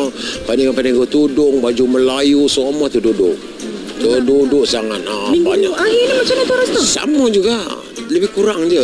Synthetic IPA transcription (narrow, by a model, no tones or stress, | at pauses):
paniŋapaniŋkot̪udʊŋbad͡ʒuməlajusomɔht̪ududʊʔ | t̪odudʊʔsaŋanabaɲaaɦiɲəmat͡ʃanat̪oɾʊst̪ɔsa̰mad͡ʒuɡa | ləbɪhkuɾaŋd͡ʒə